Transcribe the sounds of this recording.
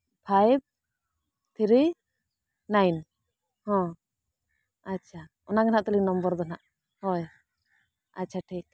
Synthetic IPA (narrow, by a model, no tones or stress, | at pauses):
pʰajb̚ | t̪ʰɾi | najn | hɔ̃ | at͡ʃʰaʔɔnaɡanaʔt̪ɔlinɔmbɔɾd̪ɔnaʔ | hɔj | a̰tːt͡ʃʰaʈʰik̚